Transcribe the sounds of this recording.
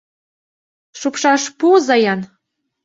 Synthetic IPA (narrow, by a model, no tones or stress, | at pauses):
ʃupʃɑʃpuzɑjɑn